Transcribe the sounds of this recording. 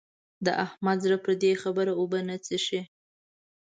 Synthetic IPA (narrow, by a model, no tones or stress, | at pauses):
d̪ə̰ʔahmad̪zɾapəɾd̪exabəɾaobənət͡səʃi